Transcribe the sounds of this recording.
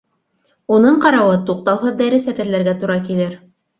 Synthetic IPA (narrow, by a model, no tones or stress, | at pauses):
unɤɴqɑɾɑwɤt̪uq̚t̪ɑwɦɤðːæɾɘsæt̪ɘ̆ɾlæɾɡæt̪uɾɑkilɘɾ